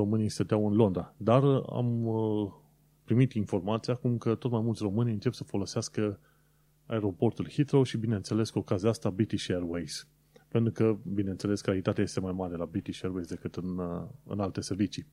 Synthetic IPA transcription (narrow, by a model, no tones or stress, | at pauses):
o̞mɨnijst̪ət̪eawɨnlo̞nd̪ɾad̪ara̰m | pɾimit̪info̞rmat̪sijakumkət̪o̞t̪majmultsʲro̞mɨnʲɨnt͡ʃepsəfo̞lo̞seaskə | a̰eɾo̞po̞rt̪ulhit̪ɾoʃibinent̪se̞le̞skuokaziaast̪abɾit̪iʃerwejz̥ | pe̞nt̪ɾukəbine̞nt̪se̞le̞skalit̪at̪eaje̞st̪e̞majmaɾe̞labɾit̪iʃeɾwejzd̪e̞kɨt̪ɨnɨ̰nalt̪e̞se̞ɾvit͡ʃi